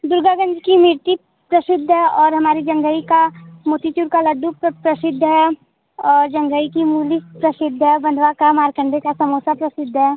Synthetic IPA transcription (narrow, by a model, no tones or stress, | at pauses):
d̪ʊɾɡaɡə̃nd͡ʒkimɪɾt̪i | pɾɐsɪd̪ʱːɦɛɔːɾɦɐmaːɾid͡ʒɐ̃ŋɡəikamoːt̪it͡ʃuɾkalɐɖupɾɐsɪd̪ʱːəɦɛ | ɔːɾd͡ʒɐ̃ŋɡəikimuːlipɾɐsɪd̪ʱːɦɛbɐ̃nd̪ʱʋakamaːɾkə̃ɳɖekasɐmoːsapɾɐsɪd̪ʱːɦɛː